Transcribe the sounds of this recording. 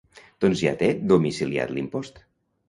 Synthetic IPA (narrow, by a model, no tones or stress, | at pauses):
d̪̥ɔnzja̰t̪ed̪umisilia̰t̪limpɔst̪